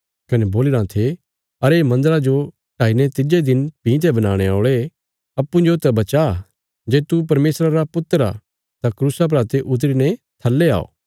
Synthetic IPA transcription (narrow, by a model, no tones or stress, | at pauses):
kɐnɛboːlɪɾãt̪ʰe | ɐɾemɐ̃nd̪əɾad͡ʒo | ʈaːinɛ̃t̪ɪd͡ʒed̪ɪnpĩt̪ʰɛbɐnaːɽ̃eoːɭe | ɐpːũd͡ʒot̪ːɐbɐt͡ʃa | d͡ʒeːt̪up̬ɐɾmeːsɾaɾapʊt̪əɾa̰ | t̪akɾuːsap̬ɾaːt̪eʔʊt̪̬ɾinɛ̃t̪ʰɐlːea̰ːo̰ː